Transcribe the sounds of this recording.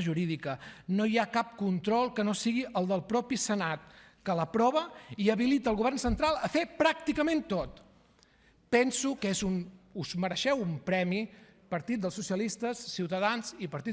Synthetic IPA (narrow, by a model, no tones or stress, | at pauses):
ʒuɾiðikənojakap̚kunt̪ɾɔlˠkənosiɣiʔəlˠd̪əlˠpɾɔpisənat̪̚ | kələpɾɔβ̞əiəβilit̪əːlˠɣuβɛrnsənt̪ɾalˠəfepɾak̚t̪ikəment̪ot̪ | pɛnsukezunuzməɾəʃɛwumpɾɛmi | pəɾt̪it̪̚d̪əlˠsusjəlist̪əsːiwt̪əðanzipəɾt̪i